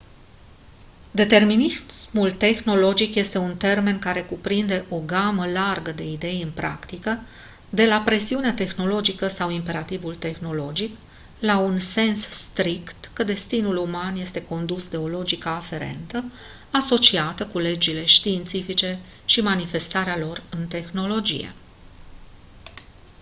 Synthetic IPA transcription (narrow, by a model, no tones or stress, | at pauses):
d̪e̞t̪e̞rminismult̪e̞xno̞lo̞d͡ʒikje̞st̪e̞unt̪e̞rme̞nkaɾe̞kupɾind̪e̞ʔo̞ɡaməlarɡəd̪e̞id̪e̞jɨnpɾa̰kt̪ikə | d̪e̞lapɾe̞siuneat̪e̞xno̞lo̞d͡ʒikəsawimpe̞ɾat̪ivult̪e̞xno̞lo̞d͡ʒik | launse̞nsst̪ɾikt̪kəd̪e̞st̪inulumanje̞st̪e̞ko̞nd̪usd̪e̞o̞lo̞d͡ʒikəːfe̞ɾe̞̰nt̪ə | aso̞t͡ʃiat̪əkule̞d͡ʒile̞ʃt̪iːnt̪sifit͡ʃe̞ | ʃimanife̞st̪aɾealo̞rɨnt̪e̞xno̞lo̞d͡ʒḭjḛ